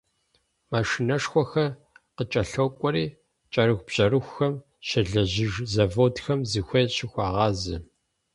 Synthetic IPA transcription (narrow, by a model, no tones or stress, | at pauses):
maːʂinɐʂxʷɔxɐ | qət͡ʃʼɐɬowkʷʼɔɾiː | t͡ʃʼɐɾɨxʷb̥ɕʼɐrɨxʷxɐm | ɕɐɮɐʑɪʒzɐvoːtxɐmzɨxʷɐɕɪxʷɑːʁɑːzɨ